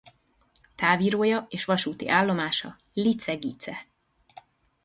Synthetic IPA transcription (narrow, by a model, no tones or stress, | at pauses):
t̪aːviːɾoːjɒeːʃʋɒʃuːt̪ḭʔaːlːo̞maːʃɒ | lit̪sɛɡit̪sɛ